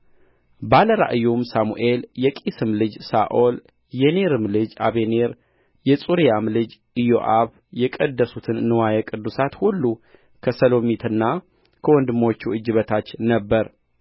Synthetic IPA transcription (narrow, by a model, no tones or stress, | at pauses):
baləɾa̰ʔɨjumsamṵʔe̞ljɛkʼisɨmlɨd͡ʒsaʔol | jɛneɾɨmlɨd͡ʒa̰βeneɾ | jɛsʼuɾijamlɨd͡ʒ | ɨjo̞ʔaβ | jɛkʼəd̪ːəsut̪ʰɨnːɨwajɛkʼɨd̪ːusat̪hulːu | kʰəsəlomit̪ʰɨnːa | kʰəwɔnd̪ɨmo̞t͡ʃːuɨd͡ʒːɨβət̪ʰat͡ʃːnəbːəɾ